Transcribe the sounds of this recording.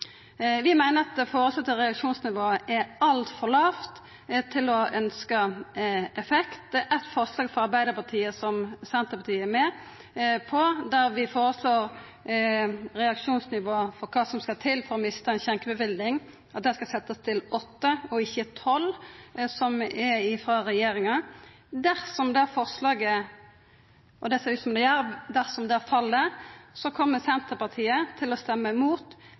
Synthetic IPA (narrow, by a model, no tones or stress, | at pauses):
ʋɪmæɪnəɾɑt̪̚d̪ɛfoːɾəsɛt̪ːəɾɛɑkʂuːnsnɪʋoːəʔɛɾɑlt̪fɔɾlɑːft̪ | t̪ʰɪlɔʔœnskə | ɛfɛkt̪ʔɛt̪fɔɾslɑːɡfɔɾɑɾbæɪd̪əɾpɑt̪ʰiːəsɔmsɛnt̪əpɑt̪ʰiːəmɛ | pʰɔd̪æɾʋɪfoːɾəsloːɾ | ɾɛɑkʂuːnsnɪʋoːfɔɾkʰɑːsɔmskɑt̪ʰɪlfɔɾɔmɪst̪əɛnçɛŋkəbəʋɪld̪nɪŋ | ɑt̪̚d̪ɛskɑsɛt̪ːəst̪ʰɪlɔt̪ːəɔɪçːət̪ʰɔlːsɔmɛɾɪfɾɑːɾɛjeːɾɪŋɑ | d̪æɾsɔmd̪ɛæɾfɔʁslɑːɡə | ʔɔd̪ɛseːɾʉːt̪sɔmnɛjæɾʋd̪æʁsɔmd̪ɛæɾfɑlːəsɔkʰɔmːəsɛnt̪əpɑʁt̪ʰiːət̪ʰɪlɔst̪ɛmːəɛmuːt̪